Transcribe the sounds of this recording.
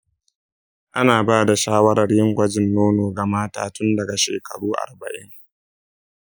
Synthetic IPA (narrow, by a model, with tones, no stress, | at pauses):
ʔa˦naː˨baː˦da˨ʃaː˦wɐ˦ɾɐ˨rjɪ˦ŋkʷɐ˦d͡ʒɪ˨nːoː˦noː˨ɡɐ˨maː˦ta̰ː˦˨tʊ˦ndɐ˨ɡa˨ʃḛː˨kʰɐ˨ɽuː˦ʔa̰˨rbɐ̰˨ʔɪ̰˦ŋ